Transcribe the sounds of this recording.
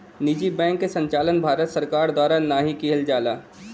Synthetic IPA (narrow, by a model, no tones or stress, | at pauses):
nid͡ʒibɛ̃ːŋkːesə̃ɲt͡ʃaːlənbʱaːɾət̪səɾkaːɾd̪waːɾanaɦikiɦəld͡ʒaːlaː